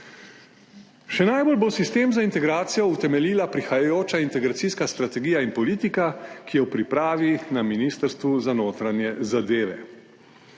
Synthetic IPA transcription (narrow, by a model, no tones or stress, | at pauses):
ʃɛnaːjbolbosist̪eːmzaint̪ɛɡɾaːt̪sijɔut̪ɛmɛliːlapɾixajajoːt͡ʃaint̪ɛɡɾat̪siskast̪ɾat̪ɛɡiːjainpɔliːt̪ikakijɛwpɾipɾaːʋinaminiːst̪əɾst̪ʋuzanoːt̪ɾanjɛzad̪eːʋɛ̰